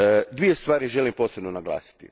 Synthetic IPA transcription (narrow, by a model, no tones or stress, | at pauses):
d̪ʋie̞st̪ʋaːɾiʒe̞limpo̞ːsebnonaɡlˠa̰ːsi̥t̪ḭ